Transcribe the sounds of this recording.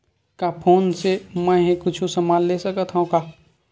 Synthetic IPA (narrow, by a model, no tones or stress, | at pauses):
kapʰoːnsemɛ̃ɦĩkʊt͡ʃʰusəmaːllesəkət̪ɦaũkaː